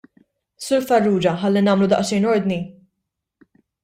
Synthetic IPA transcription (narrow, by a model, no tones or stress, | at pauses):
sʊɾfɐrːuːd͡ʒɐħɐlːinɐːmlud̪ɐ̰ʔʃɛjnɔɾd̪ni